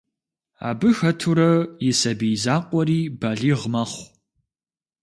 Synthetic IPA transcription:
a̰ːbɨxɐtʰuɾɐjɪsɐbijzaːqʷʼɔɾiːbaɮiːʁmɐχʷ

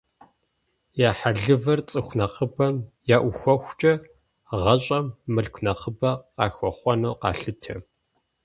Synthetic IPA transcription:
jaːħaɮɨvɐrt͡sʼɨxʷnɐqəbɐmjaːʔʷʊxʷɔxʷt͡ʃʼɐ | ʁɐɕʼɐmːɨɮkʷʰnɐqəbɐqɑ̰ːxʷɔχʷɔnoːqɑ̰ːɬɨtʰɐ̰

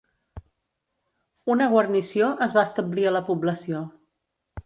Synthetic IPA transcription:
unəɣwərnisioʔəzβast̪əbliələpubləsio

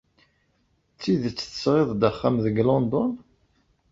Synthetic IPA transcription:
t͡sːiðt͡sːθə̥sʁɪðˤd̪əχːamðəɡlɔnd̪ɔn

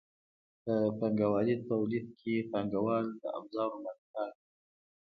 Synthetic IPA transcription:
t̪əpaŋɡawɑlit̪awlid̪̚kʰepaŋɡawɑld̪ə̰ʔa̰bzɑɾomat̪hal

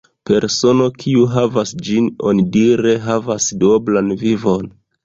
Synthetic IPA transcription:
pe̞ɾso̞no̞kʰiuɦavasd͡ʒino̞̰nidiɾe̞ɦavasdoblanvivo̞n

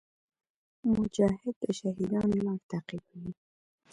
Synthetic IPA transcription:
mʊd͡ʒɑhɪd̪̚baʃaɦid̪ɑːnmaɾt̪aqikʊni

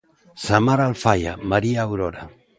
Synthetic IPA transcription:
samaɾalfaja̰maɾiaːwɾoɾa

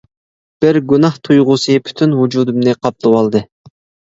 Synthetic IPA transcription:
b̥ɪɾɡʲunɑht̪ʰujʁʊsɨpʰy̥t̪ʰynwud͡ʒuːd̪umnɨqʰɑp̚t̪ˠɨwɑlˠd̪ɨ

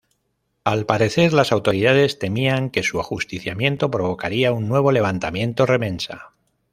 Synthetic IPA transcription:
alpaɾe̞θe̞ɾlasawt̪o̞ɾiðað̞e̞st̪e̞miaŋke̞suaxust̪iθjamje̞nt̪o̞pɾo̞β̞o̞kaɾiaunːwe̞β̞o̞le̞β̞ant̪amjẽ̞nt̪o̞re̞mẽ̞nsa̰

